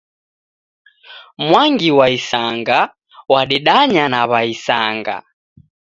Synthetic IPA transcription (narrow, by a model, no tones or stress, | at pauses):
mwaŋɡiwaisaŋɡa | waɗiɗaɲanaβaisaŋɡa̰